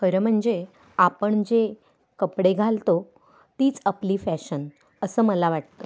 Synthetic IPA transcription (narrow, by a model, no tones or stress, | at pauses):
kəɾəm̤əɳd͡ze | apəɳd͡ʑe | kəpɽeɡʱalt̪o | t̪iːt͡səpliːfæɕən | əsəːməlaʋaʈ̚t̪ə